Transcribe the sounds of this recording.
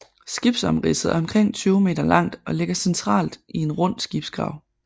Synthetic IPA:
sɡ̥ib̥sɒ̽mʁisð̩ˠɒ̽mkʰʁeŋ̰t͡sʰyːʊme̝̰ːd̥ɐlɑ̈ŋ̰d̥ɒ̽le̝ɡ̥ɐsent͡sʰʁɑ̰̈ːld̥ʔie̝nʁɔn̰̥sɡ̥ib̥sɡ̥ʁɑ̈ʊ̰

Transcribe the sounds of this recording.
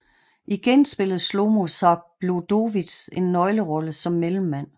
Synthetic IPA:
ʔiɡ̥ensb̥e̝ləð̩ˠslo̝mo̝sɑb̥lod̥o̝ʋid̥se̝nːɒ̽ɪləʁɒ̽ləsɒ̽mːelm̩ːæn̰

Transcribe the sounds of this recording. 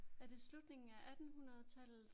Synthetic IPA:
æd̥e̝slud̥ne̝ŋn̩æʔæd̥n̩ɦunɐð̞̩ˠt͡sʰæl

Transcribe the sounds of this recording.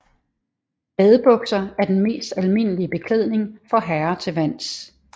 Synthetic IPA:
b̥ɛðˠb̥ɔ̽ɡ̥sɐæɐd̥enme̝̰ːsd̥ælme̝n̰əliəb̥e̝kʰleð̞̰ˠne̝ŋfɒ̽ɦæɐt͡sʰe̝ʋæn̰s

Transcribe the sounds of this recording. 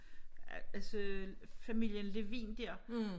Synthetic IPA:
æsəfæmil̰jənle̝ʋḭːnd̥iɐ

